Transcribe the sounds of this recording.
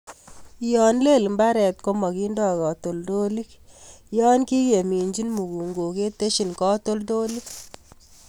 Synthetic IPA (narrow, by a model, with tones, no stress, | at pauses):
jɔ˨nle˦˨lmba˦ɾɛ˨t̚ko˦mɔ˨ki˦ndɔ˨kɔ˨to˨ldo˦li˦kjɔ˦nki˦ke˨mi˨nd͡ʒi˦nmu˨ku˨ŋɡo˨ke˦te˦ʃi˨nkɔ˦to˦lto˦li˦k̚